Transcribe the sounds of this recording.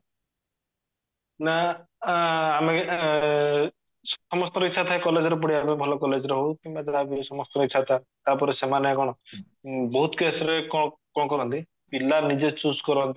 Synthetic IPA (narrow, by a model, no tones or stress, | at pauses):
na | ame | sɔmɔst̪ɔɾɔitːʃʰat̪ʰaekɔled͡ʒɔɾep̬ɔɽiamebʱɔlɔkɔled͡ʒɔɾeɦowkimbad͡ʒaɾaabisɔmɔst̪ɔɾɔitːt͡ʃʰat̪ʰa | t̪apɔɾesemanɔjakɔɽ̃ɔ | bɔɦut̪kesɔɾekɔkɔɽɔkɔɾɔnt̪i | pilːanid͡ʒet͡ʃuskɔɾɔɦnt̪i̥